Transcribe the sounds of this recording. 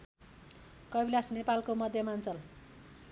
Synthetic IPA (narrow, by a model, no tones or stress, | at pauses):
kʌbilasnepalkomʌd̪ʱjʌmant͡sʌl